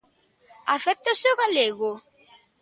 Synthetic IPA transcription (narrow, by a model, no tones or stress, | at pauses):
aθɛp̚t̪aseoɣaleɣo